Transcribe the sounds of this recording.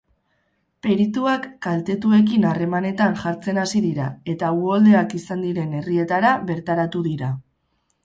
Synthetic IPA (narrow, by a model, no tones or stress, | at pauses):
pe̞ɾit̪uakːalt̪e̞t̪ue̞k̬inare̞mane̞t̪anʝaɾt͡se̞nasiðiɾae̞t̪auold̪e̞akisand̪iɾe̞ne̞rie̞t̪aɾaβe̞ɾt̪aɾat̪uðiɾa